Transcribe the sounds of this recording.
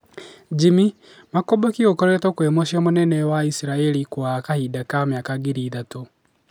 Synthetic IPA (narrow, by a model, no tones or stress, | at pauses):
d͡ʒimi | makobakiokɔɾɛtɔkwemoʃjamonɛnɛwaisiɾaɛɾikwakahidakamjakaɡeɾiːðato